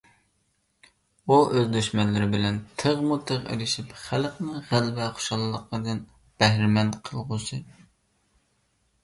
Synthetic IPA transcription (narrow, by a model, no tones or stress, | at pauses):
uʔøzd̪øʃmɛnlɪɾɪbɪlɛnt̪ʰəʁmut̪ʰəʁḛlɪʃipχælqnɨʁælbɛχo̥ʃɑlˠlˠːəqəd̪ɨn | b̥ɛhɾɪmɛnqʰəlˠʁʊsɨ